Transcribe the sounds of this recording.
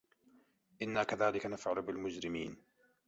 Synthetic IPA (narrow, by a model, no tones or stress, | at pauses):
ʔɪnːaːkaðaːlɪkanafʕalʊbɪlmʊd͡ʒɾɪmiːn